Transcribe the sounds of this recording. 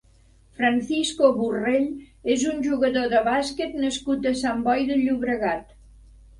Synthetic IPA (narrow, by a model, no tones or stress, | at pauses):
fɾanθiskoβureʎezunʲʒuɣəðoðəβasket̪nəskut̪əsambɔjðəʎuβɾəɣat̪